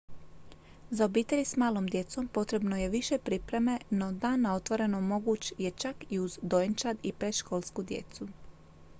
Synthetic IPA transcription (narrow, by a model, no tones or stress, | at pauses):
zaobiːt̪e̞ʎismaːlo̞ːmd̪je̞t̪so̞mpo̞t̪ɾe̞bno̞je̞ʋiʃe̞pɾipɾe̞me̞no̞d̪aːnːao̞t̪ʋo̞ɾe̞nomo̞ɡuːt͡ɕje̞t͡ʃakiuzd̪oent͡ʃad̪ipɾeʃko̞ːlˠskud̪jḛt̪su